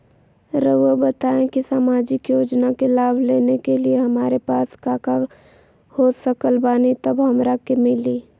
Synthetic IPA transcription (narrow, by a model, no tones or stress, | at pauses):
ɾəəbət̪aːẽkisaːmaːd͡ʒɪkjoːd͡ʒnakelaːbʱleːnekelieɦəmaːɾepaːskaːka | hoːsəkəlbaːnit̪əbɦəmɾakemɪliː